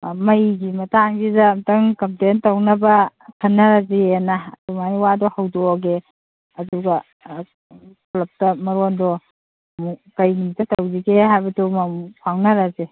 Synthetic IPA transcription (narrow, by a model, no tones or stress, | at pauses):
mɐjɡimɐtaŋzizamtɐŋkɐmplentɐwnɐbɐkʰɐnːɐɾazeenadumanwadɔhɐwdɔɡe | ɐduɡɐ | plɐp̚tɐmɐɾɔndɔ | mukɐjnimitːɐtɐwziɡeɦajbɐtumamupʰawnɐɾaze